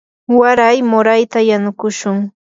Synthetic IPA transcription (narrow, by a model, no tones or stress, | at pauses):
waɾajmʊɾajt̪ajanʊkʊʃʊŋ